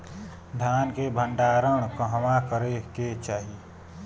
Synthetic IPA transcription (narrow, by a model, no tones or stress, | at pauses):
d̪ʱjaːnkebʱə̃ɳɖaːɾəɽ̃kəɦəmakəɾeket͡ʃaːɦi